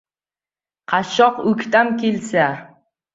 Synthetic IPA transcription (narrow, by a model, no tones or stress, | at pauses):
qʰɑʃɒqʊkʲt̪amkʲʰelsa